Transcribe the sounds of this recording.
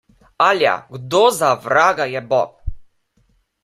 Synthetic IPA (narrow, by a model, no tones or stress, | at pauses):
alʲja̰ɡd̪ɔzavɾaɡajɛbɔk